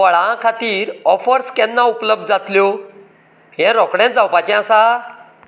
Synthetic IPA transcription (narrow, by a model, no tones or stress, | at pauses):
ʋəɭãkʰat̪iːɾɔfəɾskɛnːaupləb̚d̪̚d͡zat̪ljo | ɦɛ̃ɾɔkɽɛ̃t̪̚d͡zawpat͡ɕɛ̃asa